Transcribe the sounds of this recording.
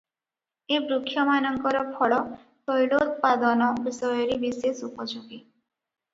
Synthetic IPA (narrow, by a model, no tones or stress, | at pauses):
ebɾukʰːjɔmanɔŋkɔɾɔpʰɔɭɔ | t̪ɔjlot̪̚pad̪ɔnɔbisɔjɔɾibisesupɔt͡ʃʰɔki